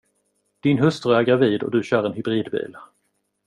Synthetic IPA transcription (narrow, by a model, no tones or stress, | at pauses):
d̪̥ɪnɦɵst̪ɾʊæɾɡɾaviːd̪ɔ̰d̪ɵɕœːɾɛnhʏbɾiːd̪bḭːl